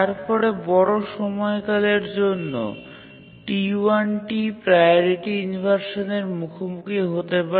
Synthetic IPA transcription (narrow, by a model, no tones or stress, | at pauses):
aɾpɔɾebɔɾoʃɔmɔekaleɾd͡ʑonːo̰ | ʈiuanʈipɾajoɾiʈiunibʱaɾʃoneɾmukʰomukʰiɦot̪epa